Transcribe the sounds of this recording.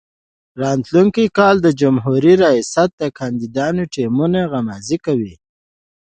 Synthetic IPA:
ɾɑnt̪luŋkikɑld̪əd͡ʒʊmɦuɾiɾajɑsat̪̚d̪əkɑnd̪id̪ɑnoʈimunaɣamazikawi

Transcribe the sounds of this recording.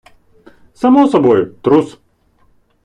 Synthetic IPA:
sɐmɔsɐbɔjʊt̪ɾus

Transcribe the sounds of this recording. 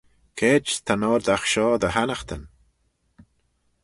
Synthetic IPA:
kʰeːd͡ʒt̪ʰanɔːɾd̪axʃɔːd̪əhanəxt̪ʰən

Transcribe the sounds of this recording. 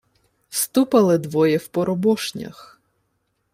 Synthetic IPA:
st̪upɐlˠɪd̪ʋɔjɛwpɔɾɔbɔʃnʲɐ̰x

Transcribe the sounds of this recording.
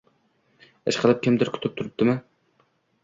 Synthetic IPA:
ḛʃqʰəlˠɨp̚kʲʰɪmd̪ɪɾkʲʰt̪ʰɪp̚t̪ʰʊɾɨp̚t̪ɪmɪ

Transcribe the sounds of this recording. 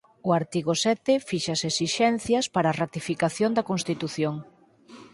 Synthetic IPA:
ʊaɾt̪iɣosɛt̪ɪfiʃasesiʃɛn̟θjɐspaɾaːrat̪ifikaθjond̪ɐkonst̪it̪uθjoŋ

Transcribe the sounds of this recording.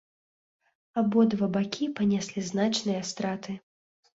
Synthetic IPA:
abɔd̪vɐbakʲipɐnʲɛsʲlʲiznat͡ʂnɨjɐst̪ɾat̪ɨ

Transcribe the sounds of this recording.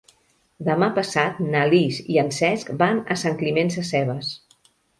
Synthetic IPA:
d̪əmapəsat̪naliziənsɛskbanəsaŋklimɛnsəsɛβ̞əs

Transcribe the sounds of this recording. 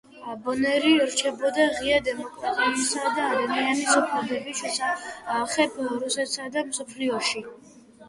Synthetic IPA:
abɔnɛɾiɾt͡ʃʰɛbɔd̪aʁiad̪ɛmɔkʼɾat̪ʼɛmisad̪aːd̪amianisupʰlɛbɛbiʃɔsʰaaχɛpʰɾusɛt̪sad̪amsɔpʰliɔʃi

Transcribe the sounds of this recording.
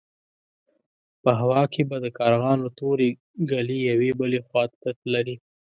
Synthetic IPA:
pəɦawɑkʰebad̪əkɑɾɣɑnlət̪oɾe | ɡalijawebəlexwɑt̪t̪əlaɾi

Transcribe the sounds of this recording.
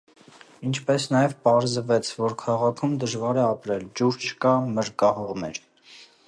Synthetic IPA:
int͡ʃʰpɛsnɑjɛvpɑɾzəvɛt͡sʰvɔɾkʰɑʁɑkʰumd̪əʒvɑɾɛɑpɾɛld͡ʒuɾt͡ʃʰə̥kɑməɾkɑhɔʁmɛ̰ɾ

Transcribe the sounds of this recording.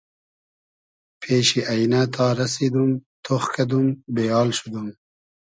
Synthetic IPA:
pʰeɕiʔajnat̪ʰɑːɾɐsid̪umt̪ʰoxkɐd̪umbejɑːlʃud̪um

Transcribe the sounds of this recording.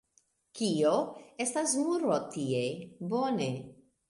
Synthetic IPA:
kioe̞stasmuɾot̪iejbone

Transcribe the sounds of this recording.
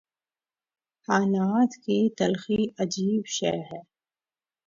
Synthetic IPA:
haːnaːt̪kit̪ɐlxiɐd͡ʒiːbʃɛ̰ɦɛː

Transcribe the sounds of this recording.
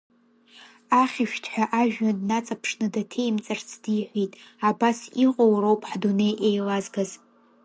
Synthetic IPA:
aχʲɪʃᶣtʰħʷᶣaʔaʒᶣadnat͡sʼapʰʂnɨdatʰejmt͡sʼɨrt͡sʰd̥iħʷitʼabasiqʼowrowpʼħdune̞jʔejlazɡaz

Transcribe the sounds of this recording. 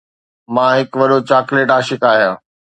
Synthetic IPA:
mãːɦɪkʋɐɗot͡ɕaːkleːʈaːʃɪkaːɦijãː

